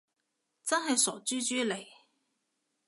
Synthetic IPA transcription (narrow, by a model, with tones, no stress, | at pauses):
t͡sɐ˥nɦɐ˨jsɔː˨˩t͡syː˥t͡ʃyː˥le˨˩j